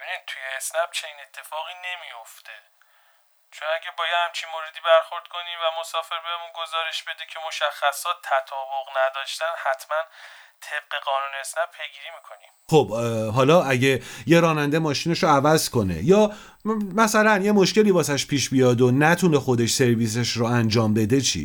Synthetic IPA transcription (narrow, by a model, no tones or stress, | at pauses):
bebinid̪̚t̪ʰujeːsnæb̥̚t͡ʃʰe̞niːne̞t̪ʰːe̞fɒːɣine̞mijo̞ft̪ʰe | t͡ʃʰonæɟæbɒːjæd̪hæmt͡ʃʰinmoɾed̪iːbæɾxo̞ɾd̪̥kʰo̞nimvæmosɒːfe̞ɾbemunɡozɒːɾeʃbe̞d̪ecʰe̞mo̞ʃæxːæsɒːt̪ʰːæt̪ʰɒːboɣnæd̪ɒːʃt̪ænhæt̪ʰmænt̪ʰe̞b̥̚ɢe̞ɣɒːnuːneesnæpʰe̞jɡiːɾiːmiːkʰo̞nimxobɦɒːlɒːʔæɟe̞je̞ɾɒːnænd̪emɒːʃineʃoævæzko̞ne̞̰jɒː | mæsælænje̞mo̞ʃce̞liːbɒːs̬æʃpʰiːʃbijɒːd̪onæt̪ʰune̞xo̞d̪e̞ʃse̞ɾviːs̬e̞ʃɾoænd͡ʒɒːmbe̞d̪e̞t͡ʃʰḭː